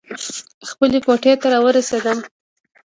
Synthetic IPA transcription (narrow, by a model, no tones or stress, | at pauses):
xpəlekoʈet̪aɾɑwəɾased̪əm